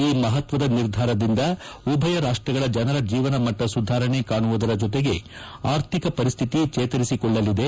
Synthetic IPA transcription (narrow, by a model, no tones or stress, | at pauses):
iːmɐɦɐt̪ʋɐd̪ɐniɾd̪ʱaːɾɐd̪ind̪ɐ | ubʱɐjɐɾaːʂʈɾɐɡɐɭɐd͡ʒɐnɐɾɐd͡ʒiːʋɐnɐmɐʈːɐsud̪ʱaːɾɐɳe̞kaːɳuʋud̪ɐɾɐd͡ʒɔt̪e̞ɡe̞ | aːɾt̪ʰikɐpɐɾist̪ʰit̪it͡ʃɛːt̪ɐɾisikɔɭːɐlːid̪e̞